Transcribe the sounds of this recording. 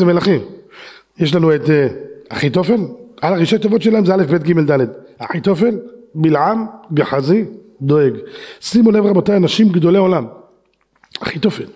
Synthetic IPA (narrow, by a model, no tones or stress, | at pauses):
zemelaχim | jeʃ̬lanuet̪eaχit̪o̞fe̞lalaʁiʃat̪ːovo̞t̪ʃelahemzeale̞fbet̪̚ɡimeld̪aled̪haħit̪o̞fe̞lbilʕambeħazi | d̪oeɡsimonevʁabotajanaʃimɡd̪o̞leolam | a̰χit̪ofel